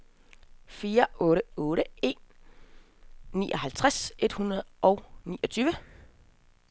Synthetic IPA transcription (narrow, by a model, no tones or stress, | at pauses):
fiːɐɔ̽ːɾəɔ̽ːɾəe̝̰n | ḭːʔɒ̽hælt͡sʰʁase̝d̥hunɐð̩ˠɒ̽ʊniːʔɒ̽t͡sʰyːʋə